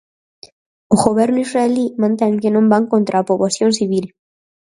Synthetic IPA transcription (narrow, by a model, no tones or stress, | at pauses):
uɣoβjeɾnuisraelimãnt̪eŋkenõmbaŋkont̪ɾapoβasjo̞nsiβil